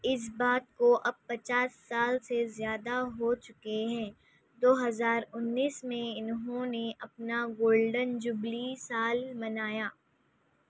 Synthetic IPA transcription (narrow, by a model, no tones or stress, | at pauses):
ɪs̬baːt̪̚koʔɐb̚pɐt͡ʃaːsːaːlsezjaːd̪aɦot͡ʃʊkeɦɛ̃ː | d̪oːɦɐzaːɾʊnːiːsmẽɪnɦõneʔɐpnaɡoːlɖənd͡ʒʊblisaːlmɐnaːjaː